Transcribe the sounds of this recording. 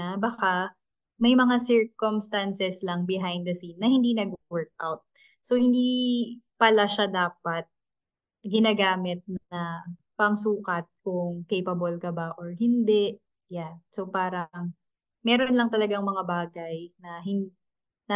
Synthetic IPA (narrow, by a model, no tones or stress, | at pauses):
abɐka | mɐjmɐŋasɪɹkomst̪ansɛslɐŋbɪɦajnd̪ɐsinːɐhɪnd̪inɐɡwɛɹk̚ʔa̰wt̪̚ | sohɪnd̪ipɐlaʃad̪aːpɐt̪̚ | ɡɪnaːɡaːmɪt̪̚nɐ | pɐŋsuːkɐt̪̚kʊŋkejpɐbolkɐbaʔoɹhɪnd̪ɛʔ | jansopaːɾɐŋ | mɛːɾonlɐŋt̪ɐlɐɡaŋmɐŋabaːɡɐjnɐɦɪn | nɐ